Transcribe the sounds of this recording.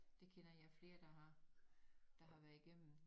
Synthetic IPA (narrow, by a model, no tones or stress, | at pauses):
d̥e̝kʰenɐjɑ̈ɪfle̝ːɐd̥ɑ̈hɑ | d̥ɑ̈ɦɑ̈ʋæɐiɡ̥em̰n̩